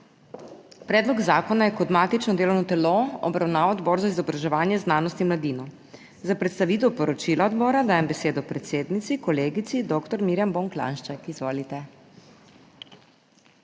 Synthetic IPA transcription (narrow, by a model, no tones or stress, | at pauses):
pɾɛːd̪lɔɡzaːkɔnajɛkɔd̪maːt̪it͡ʃnɔd̪eːlɔwnɔt̪ɛloɔ̰bɾawnaːʋad̪bɔːɾzaizɔbɾaʒɛʋaːnjɛznaːnɔst̪inmlad̪iːnɔ | zapɾɛt̪st̪aʋiːt̪ɛwpɔɾɔt͡ʃilaɔd̪bɔːɾad̪aːjɛmbɛseːd̪ɔpɾɛt̪seːd̪nit̪sikɔleːɡit̪sid̪okt̪ɔɾmiɾjamboŋkla̰nʃt͡ʃakizʋoːlit̪ɛ